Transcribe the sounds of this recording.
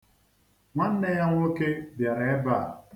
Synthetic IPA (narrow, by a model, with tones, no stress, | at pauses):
ŋʷa˦n̩˦ne˦ja˦ŋʷ˦o˦ke˦bja˨ɾe˨e˦ba˦˨